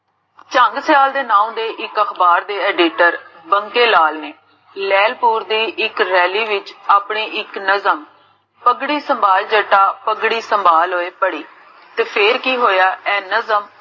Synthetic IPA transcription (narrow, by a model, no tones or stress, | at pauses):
t͡ʃə̃ŋɡsɪjaːld̪eːnãːũd̪eːʔɪkəxbaːɾd̪eːɛːɖiːʈəɾbəŋkeːlaːlneː | lɛːlpuːɾd̪iːʔɪkɾɛːliːʋɪt͡ʃaːpɳeːʔɪknəzəm | pəɡɽiːsəmbʱaːld͡ʒəʈːaːpəɡɽiːsəmbʱaːlɦoːeːpəɽiː | t̪eːpʰeɾkiːɦoːjaːʔɛːnəzəm